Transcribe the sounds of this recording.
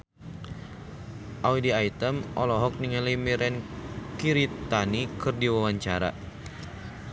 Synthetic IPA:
ʔawidiait̪əmʔɔ̰lɔɦɔk̚niŋalimiɾɛnkiɾit̪anikɨrdiwawaɲt͡ʃaɾa̰

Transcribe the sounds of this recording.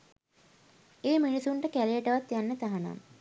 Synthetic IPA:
eːminisuɳʈəkælejəʈəʋat̪janːət̪aɦana̰m

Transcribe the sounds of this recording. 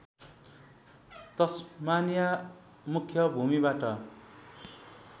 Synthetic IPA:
t̪ʌsmanja | mukʰjʌbʱumibaʈʌ

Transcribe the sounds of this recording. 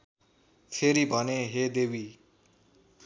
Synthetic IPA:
pʰeɾibʱʌneɦed̪ewi

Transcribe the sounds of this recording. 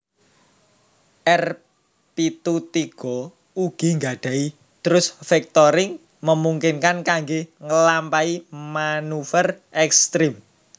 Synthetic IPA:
ʔɛr | pit̪ut̪iɡ̥ɔ̤ | uɡ̥i̤ŋɡaɖ̥ä̤i | t̪əɾʊsfɛk̚t̪ɔɾɪŋ | məmuŋkɪnkankaŋɡeŋəlampaimanufərʔɛkst̪ɾim

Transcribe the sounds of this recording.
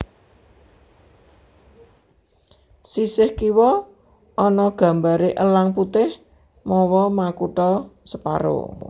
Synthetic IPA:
sisɪhkiwɔ | ʔɔnɔɡ̥ä̤mbaɾeʔəlaŋput̪ɪh | mɔwɔmakuʈɔsəpa̰ɾo̰

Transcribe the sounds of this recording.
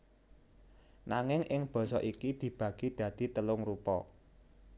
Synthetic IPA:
naŋɪŋʔɪŋb̥ɔ̤sɔʔikid̪̥i̤b̥ä̤ɡ̥id̪̥ä̤d̪̥i̤t̪əlʊŋɾupɔ̰

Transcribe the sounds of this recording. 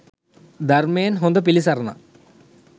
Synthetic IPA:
d̪ɐrmeːnɦond̪ɐp̬ilisɐrɐnːɐ̰

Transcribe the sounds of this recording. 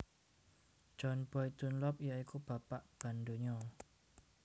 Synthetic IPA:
d̥d͡ʒ̥ɔnb̥ɔjt̪unlɔpijaikub̥ä̤paʔb̥a̤nd̪o̤ɲɔ

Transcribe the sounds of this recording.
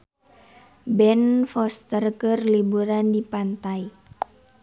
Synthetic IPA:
bɛnfɔst̪ərkərlibuɾandipant̪ai

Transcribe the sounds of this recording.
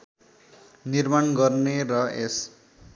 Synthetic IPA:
nirmanɡʌrnerʌes

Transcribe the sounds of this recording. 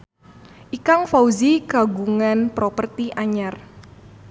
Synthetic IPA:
ʔikaŋfawziɡaɡuŋanpɾopərt̪iʔaɲar

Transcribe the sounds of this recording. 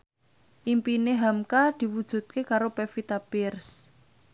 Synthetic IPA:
ʔimpineɦamkad̪̥i̤wud̥ʒ̥ṳt̪̚kekaɾopefit̪ab̥ɪrs

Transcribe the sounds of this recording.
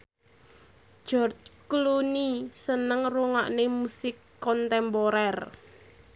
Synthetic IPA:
ʒ̥ɔrt͡ʃklunisənəŋruŋa̰ʔnemusɪkːɔnt̪ɛmpɔɾɛr

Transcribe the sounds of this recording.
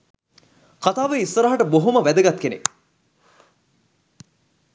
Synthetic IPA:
kat̪aːʋəisːəɾaɦaʈəboɦuməʋæd̪əɡat̪kenḛ

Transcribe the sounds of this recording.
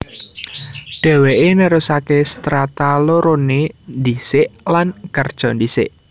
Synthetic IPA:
ɖ̥ɛ̤weʔenəɾʊsakest̪ɾat̪aloɾonend̪isɪʔlankərd̥ʒ̥ɔ̤nd̪isɪ̰ʔ

